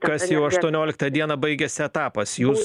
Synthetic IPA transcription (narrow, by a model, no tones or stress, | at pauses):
kɐsjɛʊɐʃt̪uɔnʲoːlʲɪkt̪ɐd̪ʲiɛnɐbɐɪɡʲɛsʲɪɛt̪ɑːpɐsjuːs